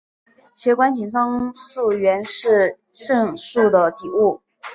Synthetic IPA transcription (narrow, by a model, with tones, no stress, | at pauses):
ɕɥɛ˧˥kwa˥nt͡ɕi˨˩ŋfɑ˥ŋsu˥˩ɥɛ˧˥nʂɻ̩˥˧ | ʂɤ˥˧ŋʂu˥˩d̪ə˩t̪i˨˩u˥˩